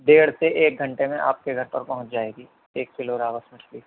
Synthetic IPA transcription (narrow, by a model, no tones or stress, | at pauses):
d̪eːɽseʔeːk̚ɡʱɐ̃ɳʈemẽʔa̰ːp̚keɡʱɐɾpɐɾpɐɦʊ̃t͡ʃd͡ʒaːeːɡiː | eːkkɪloːɾaːʋəsmɪt͡ʃʰli